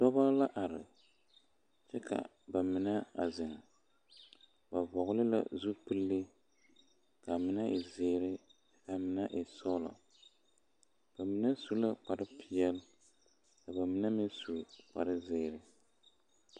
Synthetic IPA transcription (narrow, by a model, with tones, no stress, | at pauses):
tɔ˦ba˦la˦ʔa˨ɾɪ̰˨ | t͡ʃɛ˦ka̰˨ | ba˨mɪ˨na˦a̰˨zɪ˨ŋ˨ | ba˨bɔ˨ɣʊ˦lɨ˦la̰˦zu˦pɨ˦lːɨ˦ | ka˨mɪ˨na˦ɪ˨zeː˦ɾɪ˦t͡ʃɛ˦ka˨mɪ˨na˦ʔɪ˨sɔ˦la̰˨ | b̥a˨mɪ˨na˦su˦la˦k͡pa˨ɾɪ˦pʰi˨jɛ˦l | ka˨ba˨mɪ˨na˦mɪ˦nsu˨k͡pa̰˨ɾɪ˦zeː˦ɾɪ˦